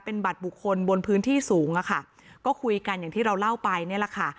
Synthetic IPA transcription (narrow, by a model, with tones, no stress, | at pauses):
pe˧nba˨˩t̪̚bu˨˩kʰːo˧nbo˧npʰɯː˦˥nt̪ʰiː˥˩suː˩˦ŋʔa˨˩kʰa˥˩ | kɔː˥˩kʰu˧jka˧nja˨˩ŋiː˥˩ɾa˧wla˥˩wpa˧jni˥˩ɐla˨˩kʰa˥˩